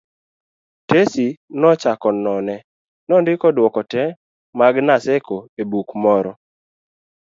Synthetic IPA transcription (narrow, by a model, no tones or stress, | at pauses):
tesinɔt͡ʃakɔnɔnɛ | nɔndɪkɔdwɔkɔtɛ | maɡnasɛkoebukmɔɾɔ